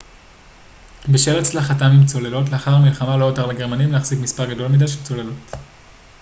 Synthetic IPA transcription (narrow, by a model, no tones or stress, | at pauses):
beʃelat͡slaχatamimt͡so̞le̞lo̞t̬leaχaʁmilχamalo̞joteʁleɡe̞ʁmanimleaχz̥ikmispaʁɡado̞lmidajʃelt͡so̞le̞lo̞t